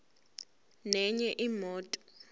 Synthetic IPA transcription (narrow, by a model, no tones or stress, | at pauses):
nɛɲɛʔimɔːtʼɔ̥